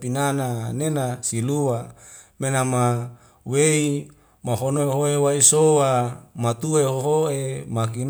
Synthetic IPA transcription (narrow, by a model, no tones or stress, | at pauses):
pinananenasiluwamenama | wei | maɦonoeɦoewaisowamat̪uehoɦoemak̬in